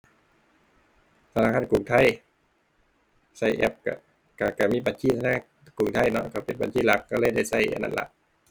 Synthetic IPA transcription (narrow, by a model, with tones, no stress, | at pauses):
t̪ʰa˧naː˧˨kʰa˧˥˨nku˨˩˦ŋt̪ʰa˧˥˩j | sa˧˩jʔɛ̰˧˥p̚ka̰˧˩ | ka˧˩ka˧˩miː˧˥˨ba˨˦nt͡ɕʰiː˧˩a˧na˧˥˨ | kuː˨˩ŋt̪ʰa˧˩˨jnɔ˧˥ka˧˩pe˨nba̰˨nt͡ɕʰiː˧˥˩la˧˦kːɔ˧˩lɤː˧˨jda˧˥˩jsa˧˥˩jʔa̰˧˨na̰˧˩nlʔa̰˧ʔ